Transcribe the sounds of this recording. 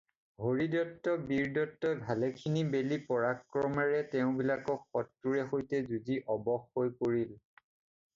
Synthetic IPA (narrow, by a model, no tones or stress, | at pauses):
hoɹidɔtːɔbiɹdɔtːɔbʱalɛkʰinibelipɔɹakɹɔmaɹɛtɛʊ̃bilakɔkxɔtːuɹɛɦojtɛzudiʔɔbɔxːojkoɹil